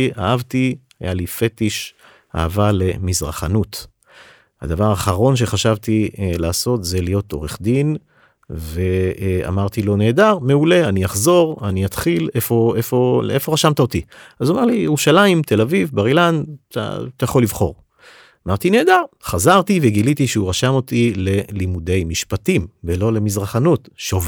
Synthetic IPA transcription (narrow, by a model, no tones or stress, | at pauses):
ia̰ʔavt̪i | a̰jalife̞t̪iʃ | a̰havale̞mizʁa̰χanut̪ | ha̰d̪avaʁaχaʁo̞nʃ̬e̞χaʃavt̪ilaːso̞t̪ze̞lijo̞t̪o̞ʁeχd̪in | ve̞a̰maʁt̪ilo̞ne̞ːd̪aʁme̞ule̞anijaχzo̞ʁanijat̪χilefo̞efo̞ʔefo̞ʁaʃamt̪ao̞t̪iazomaʁlijeʁuʃalaimt̪e̞lavivbaʁilanta̰t̪ajaχo̞livχo̞̰ʁ | amaʁt̪ine̞ːdaʁχazaʁt̪iveɡilit̪iʃeuʁaʃamo̞t̪ile̞limude̞jmiʃpatimvelo̞le̞mizʁaχanut̪ʃov